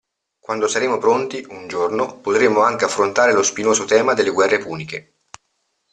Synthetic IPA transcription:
kwand̪osaɾeːmopɾont̪iund͡ʒornopot̪ɾemoaŋk̟eafːɾont̪aːɾelospinoːzot̪ɛːmad̪elːeɡwɛrːepuːnik̟e

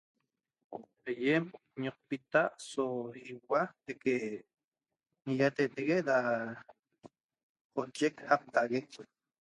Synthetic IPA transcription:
ajem | ɲoq̚pit̪aʔsohiwat̪eke | ŋijat̪eʔt̪eɣed̪a | qot͡ʃekhap̚t̪aɣek

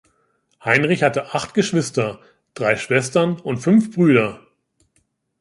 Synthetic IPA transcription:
haɪnʁɪçhatəʔaχtɡ̥əʃv̥ɪstɐ | d̥ʁaɪʃv̥ɛstɐnʊntfʏnfb̥ʁyːɾɐ

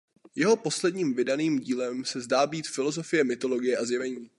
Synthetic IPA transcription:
jɛɦo̞po̞slɛdɲiːmvɪdaniːmɟiːlɛmsɛzdaːbiːt̪fɪlo̞zo̞fɪjɛmɪt̪o̞lo̞ɡɪjɛʔazjɛvɛɲiː

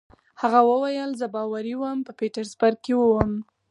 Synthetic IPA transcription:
haɣawəwajəlzəbɑwaɾiwəmpəpeʈaɾzbaɾ̚kewəwəm

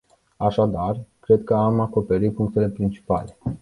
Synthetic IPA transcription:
aʃad̪arkɾe̞d̪kəamako̞pe̞ɾit̪̚puŋk̚t̪ele̞pɾint͡ʃi̥pa̰le̞

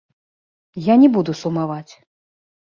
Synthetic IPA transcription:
janʲɛbud̪usumavat͡sʲ

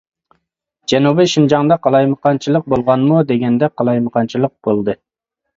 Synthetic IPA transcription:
d͡ʒɛnubɨʃind͡ʒɑŋd̪ɑqɑlˠɑjmɨqɑnt͡ʃʰilˠəq̚bolˠʁɑnmud̪eɡʲɛnd̪ɛqʰɑlˠɑjmɨqʰɑnt͡ʃʰilˠəq̚b̥olˠd̪ɨ

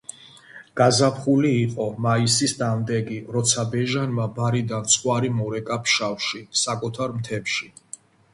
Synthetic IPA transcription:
ɡ̥azapʰχuliːqʼɔmaisisd̪amd̪ɛɡiɾɔt̪sʰabɛʒanmabaɾid̪ant̪sʰʼχʼwaɾimɔɾɛkʼapʰʃafʃisakʼut̪ʰaɾmt̪ʰɛpʃi

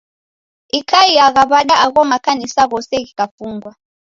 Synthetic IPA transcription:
ikʰaiaɣaβaɗaʔaɣɔmakanisaɣɔsɛɣikafuŋɡwa

